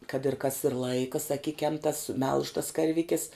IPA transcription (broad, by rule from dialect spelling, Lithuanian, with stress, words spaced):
kɐt ɪr kɐs ɪr ˈlˠɐɪkɐ sɐˈkʲɪkʲɛm tɐs mʲɛlˠʃ tɐs kɐrʲˈʋʲɪkʲɪs